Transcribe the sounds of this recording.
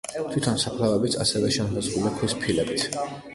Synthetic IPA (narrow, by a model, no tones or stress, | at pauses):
t̪ʰwit̪ʰɔnsapʰlavɛbit̪sʰa̰sɛvɛʃɛmhɛzɡulɛpʰwispʰilɛbit̪ʰ